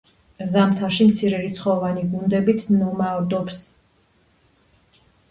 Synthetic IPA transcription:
zamt̪ʰaʃimt̪sʰiɾɛlit̪sʰχɔvaniɡund̪ɛbit̪ʰnɔmad̪ɔps

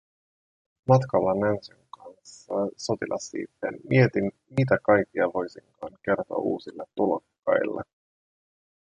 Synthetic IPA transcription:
mɑt̪kɑlːɑnænsøŋkɑnsːɑso̞t̪ilʔɑsːḭːt̪ːḛnmie̞t̪in | mit̪ækɑjk̟ːiɑʋo̞jsiŋkɑːŋke̞rt̪oɑ̰ṵːsilːet̪ːulokːɑ̰jlːɑ̰

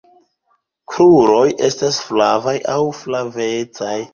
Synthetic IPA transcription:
kɾuɾo̞jʔe̞stasflavajʔawflavet͡saj

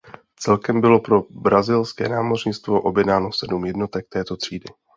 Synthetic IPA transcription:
t͡sɛlkɛmbɪlo̞pɾo̞bɾazɪlskɛ̰ːnaːmo̞rɲɪt͡st̪vo̞ʔo̞bjɛdnaːno̞sɛdumjɛdno̞t̪ɛk̚t̪ɛːt̪o̞t̪r̝̥iːdɪ

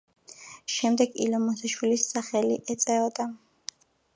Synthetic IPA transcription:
ʃɛmd̪ɛɡḭlɔmɔsaʃwilisːaχɛliʔɛt̪sʼɛɔd̪a

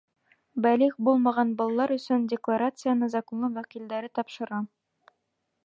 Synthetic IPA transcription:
bæliχbulˠmɑʁɑnbɑlˠɑlˠɑɾɵ̆sɵndʲɪklˠaɾat̪sɨjanɤzɑkonlˠɤwækild̪æɾɘt̪ɒpʃɤ̆ɾɑ

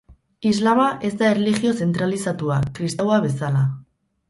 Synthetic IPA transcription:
izlamaʔe̞zd̪aerlixio̞se̞nt̪ɾalisat̪uakɾist̪awaβe̞sala

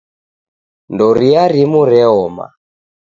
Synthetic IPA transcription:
ndɔɾiaɾimuɾɛɔma̰

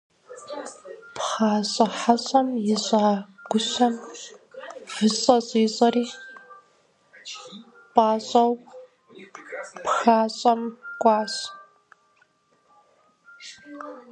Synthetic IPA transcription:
pχaːɕʼɐħaɕʼɐmjɪɕʼaːɡ̥ʷʊɕɐm | v̥ɨsʼɐɕʼiːɕʼɐriː | pʼaːɕʼɐw | pxaːɕʼɐmkʷʼɑːɕ

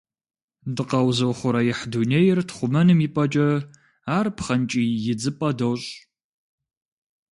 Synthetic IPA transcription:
dɨqɐwzɐwχʷʊɾɐjɪħdunejɪrtχʷʊmɐnɨmipʼɐt͡ʃʼɐ | aːrpχɐnt͡ʃʼiːjɪd͡zɨpʼɐdowɕʼ

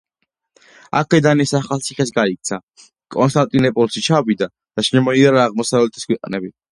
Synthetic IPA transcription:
a̰kʰɛd̪anisaχalt̪sʰiχɛs̬ɡaik̚t̪sʰa | kʼɔns̬t̪ʼant̪ʼinɛpʼɔlʃit͡ʃʰavid̪a | d̪̥aʃɛmɔiaɾaːʁmɔsavlɛt̪ʰi̥skwɛqʼnɛbi

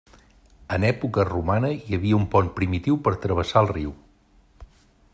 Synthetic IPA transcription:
ənɛpukərumanəjəβiəumpɔnpɾimit̪iwpəɾt̪ɾəβ̞əsaəlˠriw

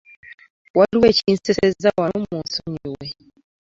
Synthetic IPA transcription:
waluwɛt͡ʃin̩sɛsɛzawamɔ̃sɔɲiwɛ

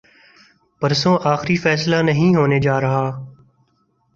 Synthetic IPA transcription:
pəɾsõːʔaːxɪɾifɛːslaːnəɦĩːɦoːned͡ʒaːɾɐɦaː

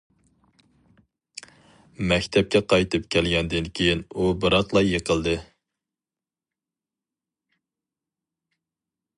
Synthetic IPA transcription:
mɛkʲt̪ʰɛp̚kʲɛqʰɑjt̪ʰɨpkʲʰɛlɡʲɛnd̪ɪnkʲʰejinubɨɾɑt̪lˠɑjːəqʰəlˠd̪ɨ

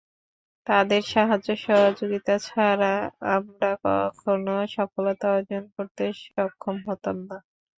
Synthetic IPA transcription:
t̪ad̪eɾʃaɦad͡ʑːoʃɔɦod͡ʑoɡit̪at͡ɕʰaɾaamɖakɔ̰kʰonoʃɔfolot̪aad͡ʑonkoɾt̪eʃɔkʰːomɦɔt̪omna

